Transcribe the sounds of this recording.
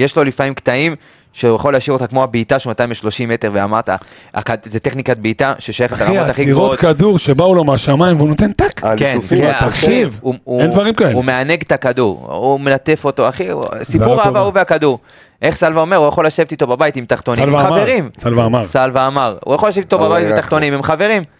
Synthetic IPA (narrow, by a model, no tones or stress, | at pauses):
jeʃlo̞lifaimkt̪aim | ʃeujaχoleaʃivo̞t̪akmo̞abiːt̪aʃeumat̪ajĩmeʃlo̞ʃimːet̪e̞ʁveamaʁt̪a̰ | a̰kazeteχnikat̪̚biːt̪aʃeʃajaχet̪alaot̪aχiiʁokad̪uʁʃebaulo̞meaʃamaimveunot̪ent̪akkenfaχivuuend̪vaʁimkaelumeane̞ɡtakaduʁumelat̪e̞fo̞t̪oaχisipuʁavauveakaduʁ | ʔe̞χsalvaome̞ʁujaχo̞laʃevt̪it̪o̞babajitimt̪aχt̪o̞nilaaveʁimsalvaːmaʁsalvaːmaʁṵjaχolaʃevit̪obabajit̪imt̪aχt̪o̞nimemχave̞ʁim